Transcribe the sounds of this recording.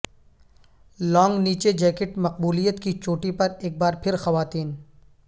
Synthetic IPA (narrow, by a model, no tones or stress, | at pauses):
lɔːŋɡniːt͡ʃed͡ʒɛːkɪʈmɐq̚buːlijət̪kit͡ʃoːʈipɐɾeːk̚baːɾpʰɪɾxɐʋaːt̪iːn